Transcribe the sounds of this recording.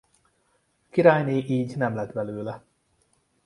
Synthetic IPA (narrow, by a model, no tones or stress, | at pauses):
kiɾaːjniːʔiːɟnɛmlɛt̪bɛløːlɛ